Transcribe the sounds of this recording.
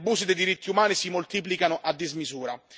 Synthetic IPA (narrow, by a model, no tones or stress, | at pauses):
buːzid̪ejd̪iɾit̪ːiumaːnisimolt̪iːp̬likanʊʔad̪ːizmizuːɾa